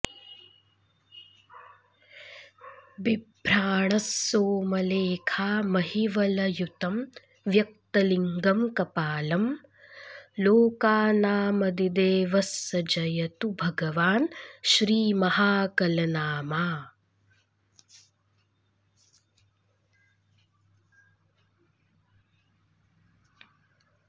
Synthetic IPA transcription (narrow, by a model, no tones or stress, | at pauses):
bibʱɾaːɳɐsːoːmɐleːkʰaːmɐɦiʋɐlɐjut̪ɐm | ʋjɐk̚t̪ɐliŋɡɐmkɐpaːlɐm | loːkaːnaːmɐd̪id̪eːʋɐsːɐd͡ʒɐjɐt̪ubʱɐɡɐʋaːnʃɾiːmɐɦaːkɐlɐnaːmaː